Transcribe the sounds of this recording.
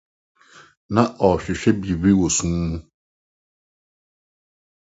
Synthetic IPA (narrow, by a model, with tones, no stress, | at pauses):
nã˦˨ʔɔ˨ɕᶣɪ˨ɕᶣɛ˦bi˨bi˦wo˨sũ˦mũ˦